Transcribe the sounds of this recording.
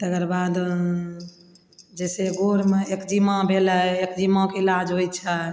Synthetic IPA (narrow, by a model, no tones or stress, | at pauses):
t̪əkəɾbad̪ | d͡ʒɛseɡoɾmeekd͡ʒimãbʱeləekd͡ʒimãkeilad͡ʒɦojt͡ʃʰə